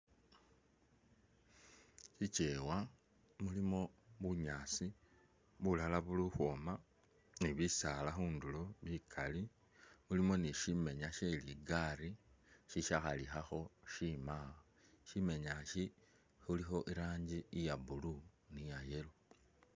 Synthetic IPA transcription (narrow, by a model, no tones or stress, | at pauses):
ʃit͡ʃe̞ːwa | mulimo̞βuɲaːt͡si | βulalaβuluxwo̞ːma | niβisaːlaxuːndulo̞βikʰali | mulimo̞niʃime̞ɲaʃeiliɡaɾiʃiʃaxalixaxo̞ʃima | ʃime̞ɲaʃi | xulixo̞ʔiɾaːɲɟiːjabulunijaje̞lo